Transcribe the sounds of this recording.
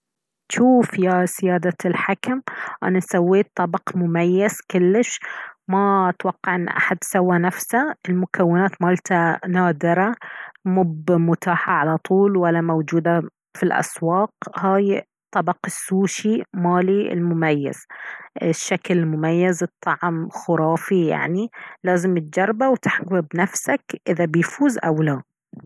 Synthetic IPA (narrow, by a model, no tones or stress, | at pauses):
ʃuːfjazɪjaːd̪alħakamʔa̰nasawːeːt̪ˤːɑbɑqmʊmajːaz̥kʊlːɪʃmat̪wɑqːɑʕʔɪnːʔa̰ħad̪̚sawːanafsaʔɪlmʊkawːɪnaːt̪maːlt̪anaːd̪ɪɾamʊbmʊt̪aːħaʕalat̪ˤuːlwalːamawd͡ʒuːd̪a | filʔa̰swɑːqhaːj | t̪ˤːɑbɑqsːuːʃimaːliɪ̰lmʊmajːa̰z̥ʔɪʃːaklmʊmajːazɨt̪ˤːɑʕmxʊɾˤɑːfija̰ʕnilaːzɪmɪt̪̚d͡ʒɑɾˤbawt̪ɪħɡwɪbnafsakʔɪðabɪjfuːzʔawla